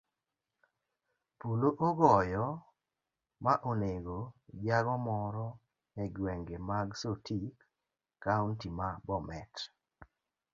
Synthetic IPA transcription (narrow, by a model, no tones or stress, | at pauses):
puloʔoɡɔjɔ | maʔoneɡod͡ʒaɡɔmɔɾɔ | ɛɡwɛŋɡemaɡsotʰikː | auntimabɔmɛt